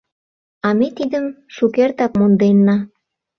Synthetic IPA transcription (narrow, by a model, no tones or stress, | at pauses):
ɑmet̪id̪əm | ʃukert̪ɑkmond̪enːɑ